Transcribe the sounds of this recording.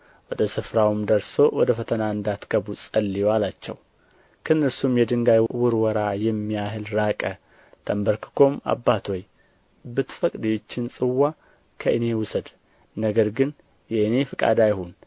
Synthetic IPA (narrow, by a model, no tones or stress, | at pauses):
wɔd̪əsɨfɾawmd̪əɾso̞wɔd̪əfət̪ʰənaɨnd̪at̪ɡ̥əbusʼəlːijoalat͡ʃːɛ̰w | kʰənːɨɾsumjɛd̪ɨŋɡajwʊɾwɔɾajɛmːijaɦɨlɾakʼə | t̪ʰəmbəɾkʰɨ̥kʰo̞ma̰bːat̪ʰo̞j | bɨt̪fəkʼd̪jt͡ʃːɪnsʼɨwːa | kʰəʔɨne̞wʊsəd̪ | nəɡəɾɡɨn | jɛɨne̞fɨkʼa̰d̪ajhon